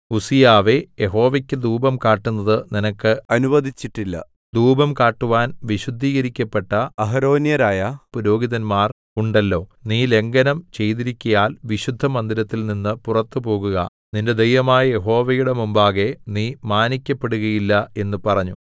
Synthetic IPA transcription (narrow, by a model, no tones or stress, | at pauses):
usijaːʋe̞jeɦo̞ːʋekʲːɨd̪uːbɐmkaːʈːunːɐðɨninɐkːɨɐnubɐd̪ʱit͡ɕːiʈːilːɐ̰ | d̪uːbɐmkaːʈːuʋaːnʋiɕud̪ʱːiːɣɐɾikʲːɐpːe̞ʈːɐɐɦɐɾo̞ːnjɐɾaːjɐpuɾo̞ːɡiðɐnmaːr | uɳɖɐlːo̞ːniːle̞ŋɡɐnɐmt͡ɕe̞jt̪iɾikʲːujaːlʋiɕud̪ʱːɐmɐnd̪iɾɐt̪ːilninːɨpurɐt̪ːɨpo̞ːɣuɣɐ | ninde̞d̪ejʋɐmaːjɐje̞ɦo̞ːʋɐjuɽe̞mumbaːɣe̞niːmaːnikʲːɐpːe̞ɽuɣɐjilːɐe̞nːupɐrɐɲːu